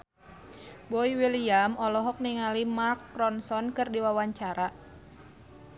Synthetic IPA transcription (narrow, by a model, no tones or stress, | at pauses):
bɔiwiliamɔlɔɦɔk̚niŋalimarkːɾɔnsɔnkɨrdiwawaɲt͡ʃaɾa